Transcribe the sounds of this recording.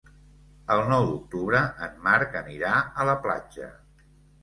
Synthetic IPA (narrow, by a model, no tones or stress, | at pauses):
əlˠnɔwd̪uk̚t̪uβɾəʔənmaɾkəniɾaələpla̰d͡ʒə̰